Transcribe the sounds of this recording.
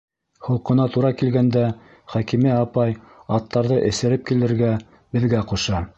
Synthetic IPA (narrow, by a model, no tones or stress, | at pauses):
hŏlˠqɤ̆nɑt̪uɾɑkilɡænd̪æ | χækimiɑpɑj | ɑt̪ːɑɾðɤʔɘ̆sɘ̆ɾɘp̚kilɘ̆ɾɡæ | bɘ̆ðɡæquʃɑ